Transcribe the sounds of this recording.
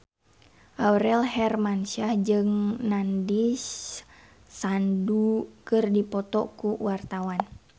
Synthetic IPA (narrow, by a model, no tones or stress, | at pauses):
ʔawɾɛlɦɛrmansahd͡ʒɨŋnandisː | andukɨrdipɔt̪ɔ̰kuwart̪awan